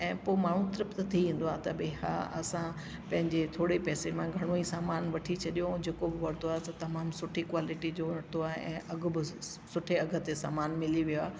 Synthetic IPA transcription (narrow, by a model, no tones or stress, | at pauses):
ɛ̃ːpoːɪmaːɳ̤ũt̪ɾɪpt̪t̪ʰiʋĩːn̆d̪oaːɦt̪ɐbeɦa̰ɐ̰sã | pɐ̃ɦɪ̃ɲd͡ʑet̪ʰoːɽepɛːsemãɡʱɐɽ̃oisaːmaːnʋɐʈʰit͡ɕʰɐɗijod͡ʑeːkobɪʋɐɾt̪oaːɦet̪ɐt̪ɐmaːmsʊʈʰikwaːlɪʈid͡ʑoɐt̪oaːɦeʔɛ̃ːʔɐɡʱʊ̆bɪsʊʈʰeɐɡʱə̆t̪esa̰ːmaːnmɪliʋijoaː